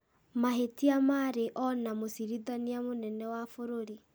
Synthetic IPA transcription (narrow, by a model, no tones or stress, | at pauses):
maɦetiamaːɾeʔɔnamosiɾiðaniamonɛnɛwafoɾoɾi